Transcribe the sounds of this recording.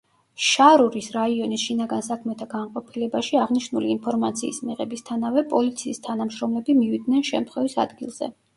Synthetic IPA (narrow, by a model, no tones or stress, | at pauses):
ʃaɾuɾisɾaiɔnisʃinaɡansakʰmɛt̪ʰaɡanqʼɔpʰilɛbaʃiaʁniʃnuliːnpʰɔɾmat̪sʰḭːsmiʁɛbist̪ʰanavɛpʼɔlit̪sʰiːst̪ʰanamʃɾɔmlɛbimivid̪nɛnʃɛ̰mt̪ʰχwɛvisa̰d̪ɡilˠz̥ɛ̰